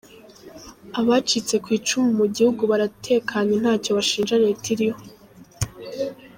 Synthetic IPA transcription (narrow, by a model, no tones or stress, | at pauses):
aβat͡ʃit͡se̞kwiːt͡ʃumumuɟihuɡuβaɾatʰe̞ːkʰaɲen̥haːco̞βaʃiːnʒanetiɾiho